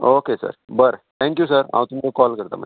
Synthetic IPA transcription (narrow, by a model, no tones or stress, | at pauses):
okesə̰ɾbəɾt̪ʰɛ̃ŋkjusəɾã̰ʋ̃wt̪umit͡sokɔlkəɾt̪a̰mə̰